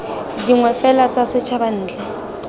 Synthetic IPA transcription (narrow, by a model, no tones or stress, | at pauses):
diŋwɛfɛlat͡sasɪt͡ʃʰaban̩ːd͡ɮɛ